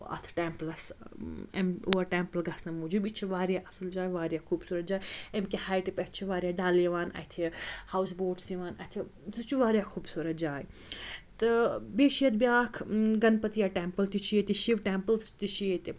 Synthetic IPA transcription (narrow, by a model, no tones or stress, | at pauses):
ɐ̰t̪ʰʈeːmplɐs | ḛmoːɐʈeːmpɐlɡɐsnɐmuːd͡ʒubit͡ʃʰiʋaːɾjaːʔɐsɐld͡ʒaːjiʋaːɾjakuːbsuːɾɐt̪d͡ʒaːjiemkihaːjʈipeʈt͡ʃʰiʋaːɾʲijaːɖaːlijiʋaːnɐ̰t̪ʰihaːwsboːʈsjiʋaːnɐt̪ʰi | sut͡ʃuʋaːɾjaxʰuːbsuːɾɐt̪̚d͡ʒaːji | t̪ɨbeːʃijɐd̪bjaːkʰɡɐnpɐt̪ijaːʈeːmpəlt̪it͡ʃʰijet̪iʃiʋʈeːmpəlst̪it͡ʃʰijet̪i